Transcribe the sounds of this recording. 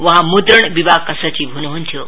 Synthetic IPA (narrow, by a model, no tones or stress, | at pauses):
ʋɐɦãmud̪ɾəɳbibʱaɡ̚kəsət͡ɕibʱunɦunt̪ʰijo